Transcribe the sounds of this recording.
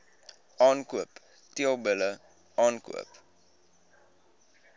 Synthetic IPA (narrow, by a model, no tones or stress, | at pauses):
ʔɑːnkuəp | tiəlˠbələ | ɑːnkṵəp